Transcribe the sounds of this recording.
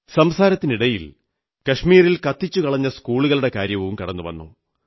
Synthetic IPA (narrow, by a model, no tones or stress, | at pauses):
sɐmsaːɾɐt̪ːiniɽɐjil | kɐʂmiːrilkɐt̪ːit͡ɕːukɐɭɐɲːɐskuːɭuɣɐɭuɽe̞kaːɾjɐʋumkɐɽɐnːuʋɐ̰nːṵ